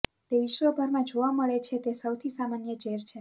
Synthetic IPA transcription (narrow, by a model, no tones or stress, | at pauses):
t̪eʋiʃʋəbʱəɾmãd͡ʒoʋaməɭet͡ʃʰet̪esəwt̪ʰisamanjəd͡ʒeɾt͡ʃʰe